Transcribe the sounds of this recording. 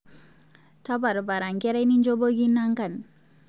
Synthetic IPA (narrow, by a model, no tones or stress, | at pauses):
tabaɾubaɾaŋkeɾajnind͡ʒoboɡinːaŋkan